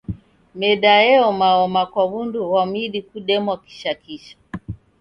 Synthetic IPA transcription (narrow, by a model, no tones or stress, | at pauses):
mɛɗaɛɔmaɔmakwaβunduwamiɗikuɗɛmwaki̥ʃakiʃḁ